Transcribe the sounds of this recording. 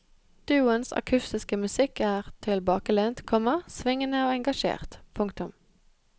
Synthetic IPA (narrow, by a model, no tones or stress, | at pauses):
d̪̥ʉːʊənsɑ̰kʰʉst̪ɪskəmʉsɪkæːʁt̪ʰɪlbɑːkəlɛnt̪kʰɔmɑsʋɪŋənəoːɛŋɡɑʃḛːʁt̪pʰʊŋkt̪ʊm